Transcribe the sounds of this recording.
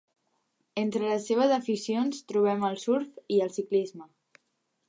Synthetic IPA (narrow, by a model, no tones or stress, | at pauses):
ent̪ɾələseβ̞əzðəfisionst̪ɾuβ̞ɛməlˠsuɾfiəlˠsiklizmə